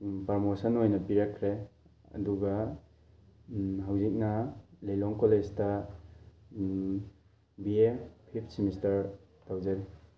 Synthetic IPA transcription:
pɐɾmosɐnojnɐpiɾakʰɾe | ɐ̰duɡa | ɦawzik̚nɐlejlɔŋkolestɐ | biepʰip̚ʰsimistɐɾ | tawzaɾi

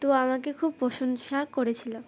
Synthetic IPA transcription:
t̪oamakekʰub̚pɔʃonʃakoɾet͡ɕʰila

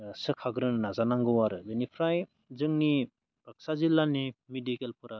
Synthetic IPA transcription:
sɯkʰaɡɾɯnnazanaŋɡɯwaɾɯzenipʰɾaj | zɯŋni | pak̚sazilːanimedikelpʰɯɾa

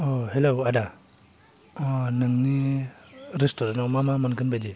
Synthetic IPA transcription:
ohelowada | nɯŋni | ɾestoɾanawmamamankɯnbajdi

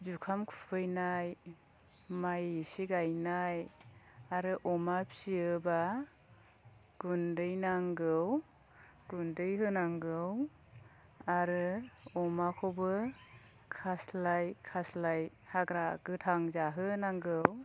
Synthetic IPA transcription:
zukʰamkʰu̥pʰɯjnaj | majisiɡajnaj | aɾɯʔɔmapʰsiɯba | ɡ̥undɯjnaŋɡɯw | ɡ̥undɯjɦɯnaŋɡɯw | aɾɯɔmakʰobɯ | kʰaslajkʰaslaj | haɡɾaɡ̥ɯtʰaŋzaɦɯnaŋɡɯw

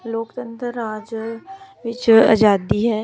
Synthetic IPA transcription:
loːkt̪ə̃nt̪ɾəːaːd͡ʒ | ʋɪt͡ʃa̰d͡ʒaːd̪iɦɛː

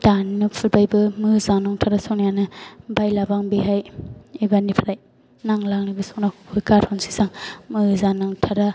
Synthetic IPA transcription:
d̥anɯpʰɯɾbajbɯmɯzanaŋtʰaɾasɔk̚nijanɯbajlabaŋbiɦajebanipʰaɾaj | naŋlaŋnibisɔk̚nahupʰujkaɾhɔnsi̥saŋmɯzanaŋtʰaɾa

